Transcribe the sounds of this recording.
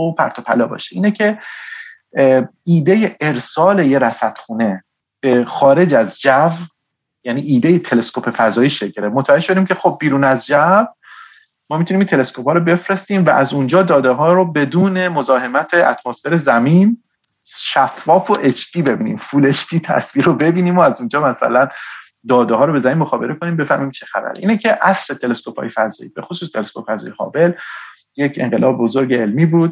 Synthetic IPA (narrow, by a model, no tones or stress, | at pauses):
opʰæ̰ɾt̪ʰopʰæ̰lɒːbɒ̰ːʃeʔiːnecʰe̞ | iːd̪eje̞ʔeɾsɒːleje̞ɾæsæt̪xuːne̞ | b̥e̞xɒːɾe̞d͡ʒæzd͡ʒæv | jæniːʔiːd̪e̞je̞t̪ʰe̞le̞skopʰe̞fæzɒːjiːʃeɟɾemot̪ʰæd͡ʒeʃod̪iːmcʲʰe̞xob̚ːiːɾuːnæzd͡ʒæv | mɒːmit̪ʰunimint̪ʰe̞le̞skʰopʰɒːɾobe̞fɾe̞st̪iːmvæ̰ʔæzund͡ʒɒːd̪ɒːd̪eɦɒːɾobe̞d̪uːne̞mo̞zɒːɦe̞mæt̪ʰeʔæ̰t̪ʰmosfe̞ɾe̞zæmiːn | ʃæfːɒːfoʔet͡ʃʰt̪ʰiːbe̞biːnḭːmfuːle̞t͡ʃt̪ʰiːt̪ʰæ̰sviːɾobe̞biːniːmoæzund͡ʒɒːmæsæ̰læn | d̪ɒːd̪ehɒːɾobe̞zæmiːnmoxɒːbe̞ɾekoniːmbe̞fæ̰hmiːmt͡ʃʰexæ̰bæ̰ɾʔḭːnecʰe̞ʔæsɾet̪ʰe̞le̞skʰo̞pʰɒ̰ːjefæzɒ̰jḭːbe̞̰xosuːst̪ʰe̞leskʰopæzɒ̰ːjehɒ̰ːbe̞l | jecʰe̞̰ŋɢelɒːbebozoɾɟeːlmiːbuːd̪̥̚